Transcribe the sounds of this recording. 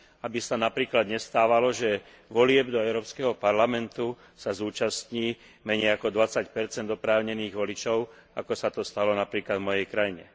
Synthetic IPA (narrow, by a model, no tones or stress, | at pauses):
abisanapɾiːklad̪ɲɛst̪aːʋalɔʒɛ | ʋɔlɪɛbd̪ɔɛʊɾɔːpskɛɦɔpaɾlamɛnt̪u | sazuːt͡ʃast̪ɲiː | mɛɲɛjakɔd̪ʋat͡sacpɛɾt͡sɛnd̪ɔpɾaːʊɲɛniːɣʋɔlit͡ʃɔʊa̰kɔsat̪ɔst̪alɔnapɾiːklad̪vmɔjɛjkɾajiɲɛ̰